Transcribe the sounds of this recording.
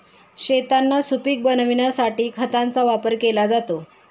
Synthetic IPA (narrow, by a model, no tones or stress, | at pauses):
ɕet̪anːasupiːk̚bənʋiɳjasaʈiːkʰət̪ant͡saʋapəɾkelad͡zat̪o